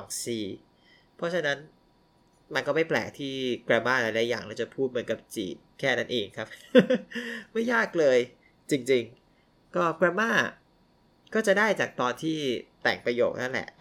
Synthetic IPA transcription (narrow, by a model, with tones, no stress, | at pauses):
sɔ˨˦ŋsiː˨˩ | pʰɔ˦˥t͡ɕʰa˧na˦˥n | ma˧nkɔː˥˩ma˥˩jplɛ̰ː˨˩k̚t̪ʰiː˥˩kɾaː˧maː˥˩ɾa˧˥jlɛ˦˥jaː˨˩ŋlɛ˦˥wt͡ɕa˨˩pʰuː˥˩mɯ˩˦nka˨˩p̚t͡ɕḭː˨˩t̪̚kʰɛː˥˩na˦˥nʔeː˧ŋkʰɾa˦˥p̚ | ma˥˩jːaː˥˩k̚lɤː˧j | t͡ɕi˧ŋt͡ɕi˧ŋ | kɔː˥˩kɾa˧maː˥˩ | kɔː˥˩t͡ɕa˨˩daː˥˩jt͡ɕaː˨˩k̚t̪ɔː˧nt̪ʰiː˥˩t̪ɛ̰˨˩ŋpɾa˧joː˨˩k̚na˦˥nlɛ̰˨˩ʔ